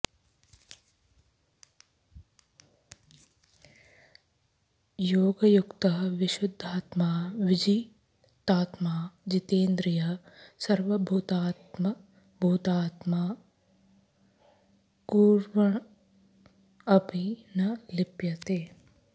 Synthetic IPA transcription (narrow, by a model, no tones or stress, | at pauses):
joːɡɐjukt̪ɐɦʋɪʃʊd̪ʱːaːt̪maːʋɪd͡ʒiː | t̪aːt̪maːd͡ʒit̪eːnd̪ɾɪjɐ | sɐɾʋɐbʱuːt̪a | m | bʱuːt̪aːt̪maː | kuːɾʋɐɳ | ɐbinɐlɪpjɐt̪eː